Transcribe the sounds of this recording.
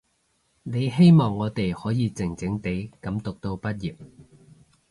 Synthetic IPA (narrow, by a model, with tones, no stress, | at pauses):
ne˨˧jɦe˥jmɔː˨ŋːɔː˨˧t̪e˨jhɔː˨˥jiː˨˧t͡sɪ˨˩ŋt͡sɪ˨˥ŋt̪e˨˥jkɐ˨˥mt̪ʊ˨k̚t̪o˧wpɐ˥t̚jiː˨p̚